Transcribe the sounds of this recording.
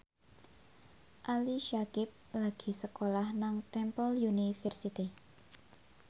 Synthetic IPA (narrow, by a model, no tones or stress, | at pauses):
ʔaliʃakɪp̚laɡ̥i̤səkolahnaŋt̪ɛmpəljunifɛrsit̪i